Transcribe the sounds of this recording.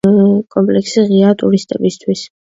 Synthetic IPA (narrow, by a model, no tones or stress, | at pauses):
kʼɔmpʼlɛksiʁiat̪ʼuɾist̪ʼɛbist̪ʰwis